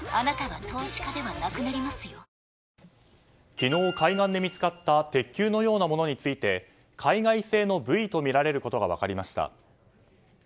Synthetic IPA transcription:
anat̪aβat̪ʰo̞ːɕi̥kad̪e̞βanakɯ̟naɾʲimasɨjo | kʲino̞ːkʰaiɡãnd̪e̞mʲit͡sɨ̥kat̪ːat̪e̞kʲːɨːno̞jo̞ːnamo̞no̞ɲ̟it͡sɨit̪e̞ | kʰaiɡaise̞ːno̞bɯ̟it̪o̞mʲiɾaɾe̞ɾɯ̟ko̞t̪oɡa̰β̞a̰kaɾʲimaɕi̥t̪a̰

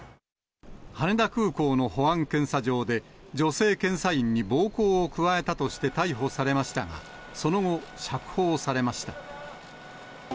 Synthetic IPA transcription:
haned̪akɯ̟ːko̞ːno̞ho̞ãŋkẽ̞ɰ̃saʑo̞ːd̪e̞d͡ʑo̞se̞ːkẽ̞ɰ̃saĩɲ̟ːibo̞ːko̞ːokɯ̟βae̞t̪at̪o̞ɕi̥t̪e̞t̪aiɦo̞saɾe̞maɕi̥t̪aɡa̰ | so̞no̞ŋo̞ɕakɯ̟̥ho̞ːsaɾe̞maɕi̥t̪ḁ

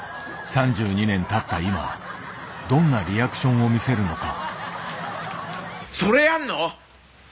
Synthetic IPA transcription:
sãɲ̟d͡ʑɨːɲ̟inẽ̞nt̪at̪ːaima̰βa̰ | d̪õ̞nːaɾʲiakɯ̟̥ɕõ̞ɰ̃o̞mʲise̞ɾɯ̟no̞ka̰ | soɾe̞janːo

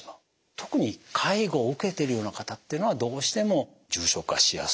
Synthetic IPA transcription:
t̪o̞kɯ̟ɲ̟ikʰaiɡo̞ɯ̟ke̞t̪e̞ɾɯ̟jo̞ːnakat̪at̪ːeiɯ̟noβad̪o̞ːɕi̥t̪e̞mo̞ | d͡ʑɨːɕo̞kɯɡaɕija̰s

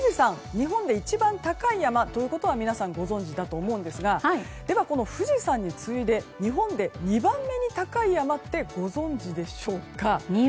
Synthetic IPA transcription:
ɯʑisãŋ | ɲiɦõ̞nd̪e̞it͡ɕibãnt̪akaijamat̪o̞jɯ̟ko̞t̪o̞β̞amʲinasãŋɡo̞zõ̞ɲ̟d͡ʑid̪at̪o̞ːmo̞ɯ̃nd̪e̞sɨɡai | d̪̥e̞βako̞no̞ɸɯ̟ʑisãɲ̟ːit͡sɨid̪e̞ɲ̟iɦõ̞nd̪e̞ɲ̟ibãmːe̞ɲ̟it̪akaijamat̪ːe̞ɡ̥o̞zõ̞ɲd͡ʑid̪e̞ɕo̞ːka

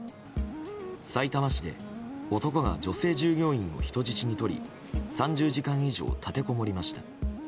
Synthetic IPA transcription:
sait̪amaɕid̪e̞̰o̞t̪o̞ko̞ɡa̰d͡ʑo̞se̞ːʑɨːɡʲo̞ːĩɰ̃o̞̰çi̥t̪o̞d͡ʑit͡ɕiɲ̟it̪o̞ɾʲḭ | sãɲ̟d͡ʑɨːʑikãiʑo̞̰ːt̪ʰat̪e̞ko̞mo̞ɾʲimaɕi̥t̪a

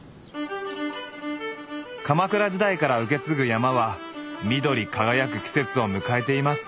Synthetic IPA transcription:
kamakɯ̟ɾaʑid̪aikaɾaɯ̟k̬e̞t͡sɨɡɯ̟jamaβamʲid̪o̞ɾʲikaɡajakɯ̟kʲi̥se̞t͡sɨo̞mɯ̟kae̞t̪e̞imasɨ̥

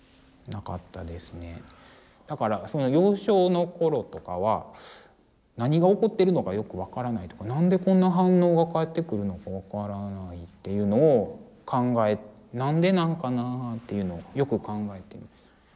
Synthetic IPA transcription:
naka̰t̪ːad̪e̞sɨne̞̰ | d̪̥akaɾaso̞no̞jo̞ːɕo̞ːno̞ko̞ɾo̞t̪o̞ka̰βa | naɲ̟iɡaoko̞t̪ːe̞ɾɯ̟no̞kajo̞kɯ̟βakaɾanait̪o̞̥kanãnd̪e̞kõ̞nːaɦãnːo̞ːɡakaet̪ːe̞kɯ̟ɾɯ̟no̞kaβakaɾanait̪ːe̞jɯ̟ːno̞ː | kʰãŋɡae̞t̪ | nãnd̪e̞nãŋkanaːt̪ːe̞jɯ̟no̞ːjo̞kɯ̟kãŋɡaet̪ːe̞imasɨ̥

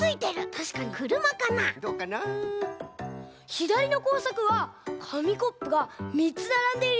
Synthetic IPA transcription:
ɨit̪e̞ɾɯ̟t̪ʰaɕi̥kaɲ̟ikɯ̟ɾɯ̟makanad̪okana | çid̪aɾʲino̞ko̞ːsakɯ̟βakʰamʲiko̞pːɯ̟ɡamʲit͡sɨnaɾãnd̪e̞ɾ

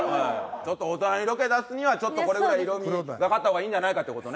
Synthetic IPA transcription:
at͡ɕo̞t̪ːoːt̪oãiɾo̞ke̞d̪asɨɲ̟iβat͡ɕo̞t̪ːo̞ko̞ɾe̞ɡɯɾaiːɾo̞mʲiɡakat̪ːahoɡaiːɲ̟d͡ʑanaikat̪ːeko̞t̪one

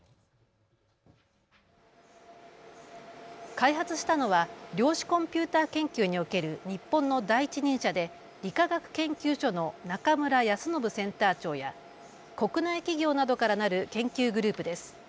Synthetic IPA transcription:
kaiɦat͡sɨɕi̥t̪ano̞βaɾʲo̞ːɕi̥kõ̞mpʲɨːt̪aːkẽ̞ŋkʲɨːɲ̟io̞ke̞ɾɯ̟ɲ̟ipːõ̞nːo̞d̪aiit͡ɕiɲ̟ĩɰ̃ɕad̪e̞ | ɾʲikaɡakɯ̟̥kẽ̞ŋkʲɨːɕo̞no̞nakamɯ̟ɾajasɨno̞bɯ̟sẽ̞nt̪aːt͡ɕo̞ːja | ko̞kɯ̟naikʲiɡʲo̞ːnad̪o̞kaɾanaɾɯ̟kẽ̞ŋkʲɨːɡɯ̟ɾɯ̟ːpɯ̟d̪e̞sɨ̥

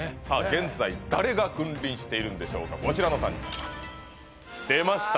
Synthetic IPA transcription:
saːɡẽ̞nd͡zaid̪aɾe̞ɡakɯ̟̃nɾʲĩɰ̃ɕi̥t̪e̞iɾɯ̟nd̪e̞ɕo̞̰ːkako̞t͡ɕiɾano̞sã̰ɲ̟ːḭ | d̪̥e̞maɕi̥t̪

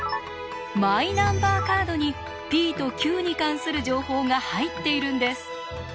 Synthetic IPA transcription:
mainãmbaːkaːd̪o̞ɲ̟i | b̥ʲiːt̪o̞kʲɨːɲ̟ikãɰ̃sɨɾɯ̟ʑo̞ːho̞ːŋahait̪ːe̞iɾɯ̟̃nd̪e̞sɨ̥

